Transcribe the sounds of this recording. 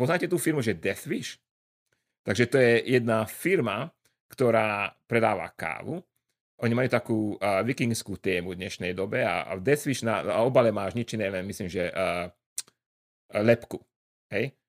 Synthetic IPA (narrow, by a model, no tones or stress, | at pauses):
pɔznaːcɛt̪uːfiɾmuʒɛd̪ɛθʋiʃ | t̪aɡʒɛt̪ɔjɛjɛd̪nafiɾma | kt̪ɔɾaːpɾɛd̪aːʋa̰ka̰ːʋu | ʔɔɲimajuːt̪akuːʋikiŋɡskuːt̪ɛːmud̪ɲɛʃnɛjd̪ɔbɛa̰vd̪ɛθʋiʃnaɔbalɛmaːʒɲit͡ʃinɛlɛnmisliːmʒɛʔ | lɛpku | ɦɛj